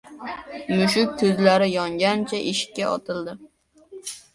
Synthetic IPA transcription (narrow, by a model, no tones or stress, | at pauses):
mʊʃ̬ʊk̪̚ʲʰɵzlaɾɪjɒŋɡʲant͡ʃʰaʔɪʃɪ̥kʲːaɒ̰t̪ʰɪlˠd̪ɪ